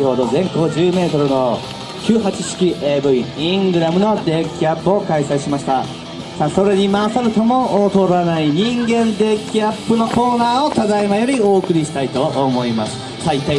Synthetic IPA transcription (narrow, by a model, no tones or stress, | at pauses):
hoːd̪o̞zẽ̞ŋko̞d͡ʑɨːme̞ːt̪o̞ɾɯno̞ | kʲɨːɦat͡ɕiɕi̥kʲiʔeːbɯ̟iĩŋɡɯ̟ɾamɯ̟no̞d̪e̞ːkʲiapːɯ̟o̞kaisaiɕimaɕi̥t̪a | saso̞ɾe̞ɲ̟imaːsaɾɯ̟t̪omoot̪o̞ɾanaiɲ̟ĩŋɡẽ̞nd̪e̞ːkʲiapːɯ̟no̞ko̞ːnaːo̞t̪ad̪aemajo̞ɾʲio̞ːkɯ̟ɾʲiɕi̥t̪ait̪o̞ʔːmo̞imasɨ̥ | ait̪a